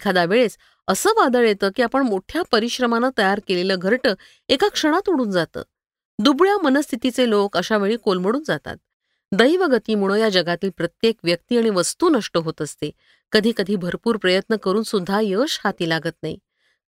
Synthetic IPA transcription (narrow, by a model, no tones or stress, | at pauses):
ikʰad̪aʋeɭet͡s | əsəːʋad̪əɭjet̪əːkiːapəɳmoʈʰjapəɾiɕɾəmanət̪əjaɾkeleləːɡʱəɾʈə | ekakʂəɽ̃at̪uɽuːnd͡zat̪ə̰ː | d̪ubɭjamənəst̪ʰit̪it͡selokəɕaʋeɭiːkolməɽuːnd͡zat̪a̰t̪̚ | d̪əjʋəɡət̪iːmuɭ̃əjad͡ʑəɡat̪iːlpɾət̪jekʋjək̚t̪iːaɽ̃iʋəst̪uːnəʂʈəɦot̪əst̪e | kəd̪ʱiːkəd̪ʱiːbʱəɾpuːɾpɾəjət̪nəkəɾuːnsud̪ʱːajəɕhat̪iːlaɡət̪naḭ